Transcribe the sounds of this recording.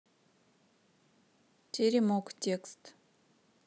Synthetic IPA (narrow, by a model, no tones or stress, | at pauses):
t͡ʃeɾimoktʲekst̪